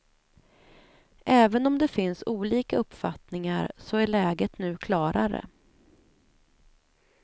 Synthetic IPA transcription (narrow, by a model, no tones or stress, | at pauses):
ʔɛːvənɔmd̪ɛfɪnsuːliːkaɵpːfat̪nɪŋaɾsɔæɭɛːɡət̪nʉ̟ːkʰlɑːɾaɾə̰